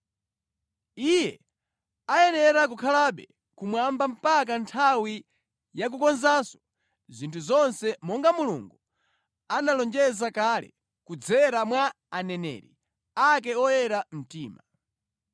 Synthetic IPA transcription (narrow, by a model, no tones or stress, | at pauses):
ijɛ | ajɛnɛɾak̬ukʰalaɓɛ | kumwambam̩pakantʰawi | jak̬ukɔnzasɔ | zintʰuzɔnsɛmɔŋɡamulṵŋɡu | analɔnd͡ʒɛzakalɛ̰ | kud͡zɛɾamwa | anɛnɛ̰ːɾi | ak̬ɛɔjɛɾam̩tiːma